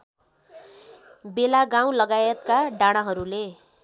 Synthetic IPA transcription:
belaɡãw̃lʌɡajʌt̪kaɖaɽ̃aɦʌɾule

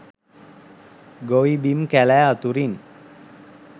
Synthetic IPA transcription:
ɡoʋibimkælæːat̪uɾin

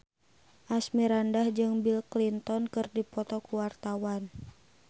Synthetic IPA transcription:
ʔasmiɾandahd͡ʒɨŋbilklint̪ɔnkɨrdipɔt̪ɔkuwart̪awan

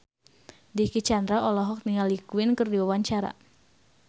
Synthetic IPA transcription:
dikit͡ʃand̪ɾaʔɔlɔɦɔk̚niŋalikuɪnkɨrdiwawaɲt͡ʃaɾa̰

